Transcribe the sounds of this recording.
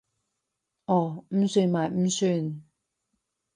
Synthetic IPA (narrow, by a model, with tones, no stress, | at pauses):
ʔɔː˨˧˩m̩˨˥syː˧nmaː˨jm̩˥syː˧n